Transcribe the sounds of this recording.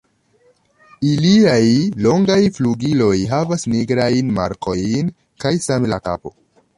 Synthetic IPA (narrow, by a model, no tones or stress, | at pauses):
iliajlo̞ŋɡajfluɡilo̞jɦavasniɡɾajnma̰ɾkʰo̞jn | kajsamla̰ka̰po̞̰